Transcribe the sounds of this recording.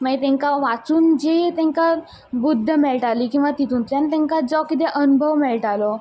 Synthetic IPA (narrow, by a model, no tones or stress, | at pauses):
majt̪ɛ̃ŋkaʋat͡suːnd͡ʑet̪ɛ̃ŋka | bud̪ʱːəmɛɭʈaliːkĩw̃ʋat̪it̪uːnt̪ɾjant̪ɛ̃ŋkad͡zɔkit̪ɛʔənubʱəʋmɛɭʈalɔ